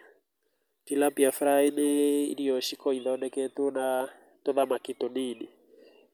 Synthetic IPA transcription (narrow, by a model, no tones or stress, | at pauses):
tilapiafɾaineḭɾijɔʃikɔiðaɔnɛketuna | toðamakitoniːni